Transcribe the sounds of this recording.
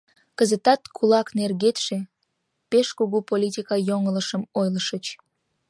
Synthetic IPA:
kəzət̪ɑt̪kʰulɑknerɣet̪ʃe | peʃkuɣupolʲit̪ʲikɑjoŋələʃəmojləʃət͡ɕ

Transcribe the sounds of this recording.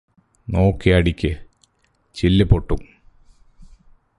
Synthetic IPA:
no̞ːkːiɐɽikʲːɨ | t͡ɕilːɨpoʈːum

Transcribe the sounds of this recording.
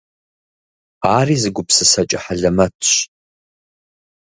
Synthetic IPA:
aːriːzɨɡʷʊpsɨsɐt͡ʃʼɐħaɮɐmɐtʰɕ

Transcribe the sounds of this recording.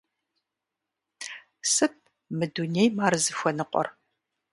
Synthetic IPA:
sɨp̚ | mɨdunejmaːrɨzɨxʷɔnɨqʷɔ̰r

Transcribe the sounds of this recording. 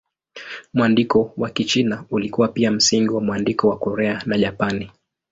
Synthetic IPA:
muandikɔwakit͡ʃinaulikuwapiam̩siŋɡiwamwandikɔwakɔɾɛanaʄapani

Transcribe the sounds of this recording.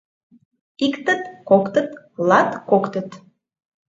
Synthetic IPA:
ikt̪ət̪kokt̪ət̪ | lɑt̪kokt̪ə̆t̪

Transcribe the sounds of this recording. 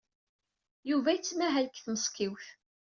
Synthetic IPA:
juvæjət͡sːmæɦælkθnəskiwθ

